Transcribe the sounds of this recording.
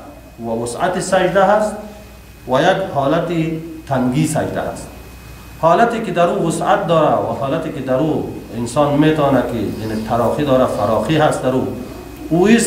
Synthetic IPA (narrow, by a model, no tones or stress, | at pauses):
wawʊsa̰t̪isad͡ʒd̪aɦast̪ | wajaɡhɔːlat̪it̪aŋɡisad͡ʒd̪a̰ha̰st̪̚ | hɔːlat̪ikid̪aɾuːwʊsa̰t̪̚d̪ɔːɾawa̰hɔːlat̪ikid̪aɾuɪnsɔːnmet̪ɔːnakianit̪ʰaɾɔqid̪ɔːɾafaɾɔqiɦast̪̚d̪aɾu | uis